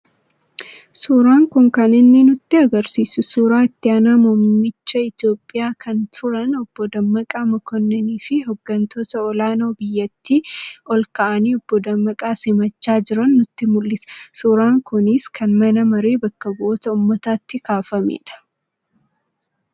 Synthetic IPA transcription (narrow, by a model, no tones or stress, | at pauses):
suːɾaːŋkʊŋkɐnɪnːɪnʊt̪ːɪɐɡɐɾsiːsʊsuːɾaːɪt̪ːɪaːnaːmɔmːɪt͡ʃːɐɪt̪jo̞ːpʼːɪjaːkʰɐnt̪ʰʊɾɐnɔb̥ːɔd̪ɐmːɐkʼaːmɐkʰɔnːɛniːfɪɦɔɡːɐnt̪ʰoːt̪ɐɔlaːno̞ːbɪjːɐt̪ːiːɔlkɐʔɐniːɔb̥ːɔd̪ɐmːɐkʼaːsɪmɐt͡ʃːaːd͡ʒɪɾɐnːʊt̪ːɪmʊlːɪsɐ̥suːɾaːŋkʊnɪskʰɐnmɐnɐmɐɾeːbɐkːɐbʊʔɔt̪ɐʊmːɐt̪aːt̪ːɪkaːfɐmḛːᶑɐ̥